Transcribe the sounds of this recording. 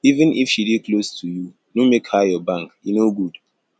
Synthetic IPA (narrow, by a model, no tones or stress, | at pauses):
ivɨ̃nifʃidiklostʰuju | numekhajɔbãŋkinoɡud